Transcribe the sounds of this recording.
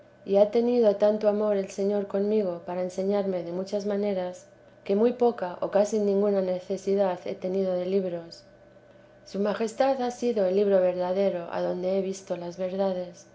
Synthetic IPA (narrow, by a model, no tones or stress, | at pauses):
iat̪e̞niðo̞t̪ant̪oamo̞ɾe̞lse̞ɲo̞ɾko̞nmiɣ̞o̞paɾaense̞ɲaɾme̞ðe̞mut͡ʃazmane̞ɾas | ke̞mujpo̞kaʔo̞̰kasinĩŋɡunane̞θe̞siðaθe̞̰t̪e̞nið̞o̞ð̞e̞liβɾo̞sː | umaxe̞st̪aðasiðo̞elːiβɾo̞βe̞ɾðaðe̞ɾo̞ʔa̰ðo̞nd̪e̞eβist̪o̞lazβe̞ɾðað̞e̞s